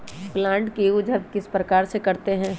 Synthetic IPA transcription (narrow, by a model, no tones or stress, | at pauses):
plãːɳʈkiʊd͡ʒɦət̪kɪspɾɐkaːɾsekɐɾt̪eɦɛ̃ː